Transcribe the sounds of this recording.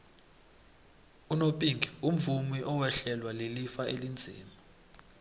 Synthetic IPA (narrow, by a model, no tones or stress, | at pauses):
unopʼiŋɡʱium̩vumwiʔɔwɛɬɛlwalelifaelind͡zʱḭːma